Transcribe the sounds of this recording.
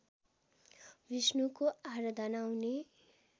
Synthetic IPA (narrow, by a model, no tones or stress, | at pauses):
bisnukoaɾʌd̪ʱʌnawne